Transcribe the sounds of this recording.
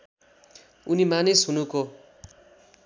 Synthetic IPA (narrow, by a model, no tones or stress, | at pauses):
unimanisunũko